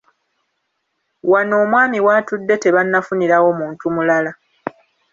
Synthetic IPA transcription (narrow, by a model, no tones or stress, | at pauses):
wano̞ːmwaːmiwaːtudːe̞te̞βanːafuniɾawo̞muːntumulala